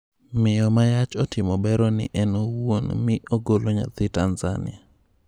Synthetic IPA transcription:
mɪjɔmajat͡ʃɔtɪmɔbɛɾɔnɪ̰ʔɛnowonmɪʔoɡoloɲa̰t̪ɪtanza̰nɪ̰a

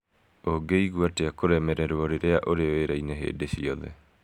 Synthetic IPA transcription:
oɡeiɣwateakoɾɛmɛɾɛɾwɔɾeɾeaʔoɾeoeɾaineɦḛːdeɕiɔðɛ̰

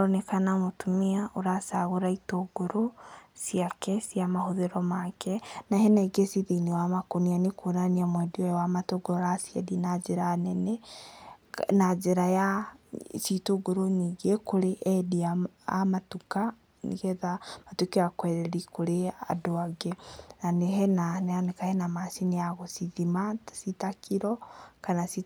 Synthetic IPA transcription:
ɔnekanamotumiaoɾasaɣoɾaitoɡ̥oɾosiakɛsiamahoðeɾɔmakɛnahɛnaiɡesiðinewamakonianekonaniamwɛdiɔjwamatoɡoɾɾasiɛ̰dinad͡ʒeɾanɛnɛ | nad͡ʒeɾaja | sitoɡoɾoɲiɡekoɾeʔɛdiaamatuka | nḭɣɛðamatukiakwɛɾɛɾikoɾea̰doaɡenaneɦɛnananekahɛnamasineaɣosiðimasitakʰiɾɔkanasi

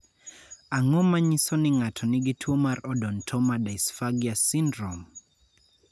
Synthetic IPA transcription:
aŋɔmaɲisɔnɪŋatʰɔnɪɡitʰwɔmaɾɔdɔntʰɔmadaisfaɡiasindɾɔm

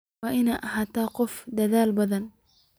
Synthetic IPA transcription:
ɐʔɪnaʔɐhat̪aːqɔfd̪ɐðaːlbɐðɐn

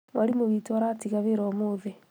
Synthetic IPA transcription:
waɾimoβitwaɾatiɣaβeɾɔmoðe

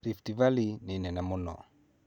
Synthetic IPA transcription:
ɾiftivalininɛnamunɔ̰

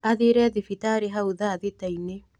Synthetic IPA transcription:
aðiɾɛðifitaɾeɦauðaːðitaine

